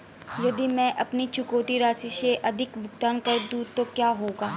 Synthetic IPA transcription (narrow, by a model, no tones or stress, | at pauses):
jɐd̪ʱimɛ̃ʔɐpnit͡ʃʊkoːt̪iɾaːsiseʔɐd̪ʱɪkbʱʊɡt̪aːnkɐd̪uːt̪okjaːɦoːɡaː